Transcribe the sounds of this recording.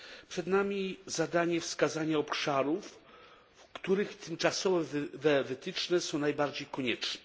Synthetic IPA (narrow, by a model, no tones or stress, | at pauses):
pʂɛd̪namʲizad̪aɲɛfskazaɲaɔpʂaɾuf | fkt̪uɾɘxt̪ʰɘmt͡ʂasɔvɛvvɛvɘt̪ɘt͡ʂnɛsɔ̃w̃najbaɾd͡ʑejkɔɲɛt͡ʂnɛ